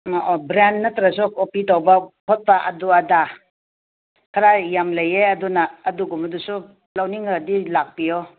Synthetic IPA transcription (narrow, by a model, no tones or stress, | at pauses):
bɾanːatɾas̬ɔkopitawbapʰɔt̚paʔɐ̰duada | kʰaɾajamlajeɐdunaːduɡumadusu | lawniŋadilak̚pijɔ